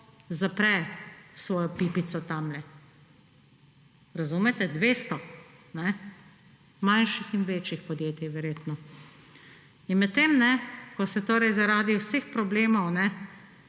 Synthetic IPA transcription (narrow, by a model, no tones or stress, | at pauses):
zapɾɛsʋɔːjɔpiːpit̪sɔt̪amlɛ | ɾazuːmɛt̪ɛd̪ʋeːst̪ɔnɛ | manʃixinʋeːt͡ʃixpɔd̪jeːt̪iʋɛɾjeːt̪nɔ | inmɛt̪ːemnɛkɔsɛt̪oːɾɛjzaɾaːd̪iwsexpɾɔbleːmɔwnɛ